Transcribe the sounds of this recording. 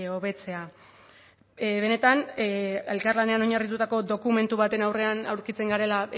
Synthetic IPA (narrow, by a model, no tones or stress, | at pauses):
o̞βe̞t͡se̞a | βe̞ne̞t̪ane̞lkarlane̞ano̞ɲarit̪̬ut̪ako̞d̪o̞kume̞nt̪uβat̪e̞nawre̞anawɾkit͡se̞ŋɡaɾe̞la